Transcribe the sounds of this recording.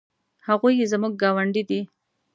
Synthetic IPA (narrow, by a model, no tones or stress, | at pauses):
haɣujezmuɡ̚ːɑwaɳɖid̪i